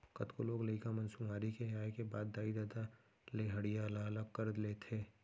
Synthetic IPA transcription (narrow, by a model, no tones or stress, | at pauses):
kɐt̪koloːɡlɐikamɐnsumaːɾikeɦaːekebaːd̪ːaːid̪aːd̪a | leɦɐɽijalaləɡ̚kəɾd̪leːt̪ʰeː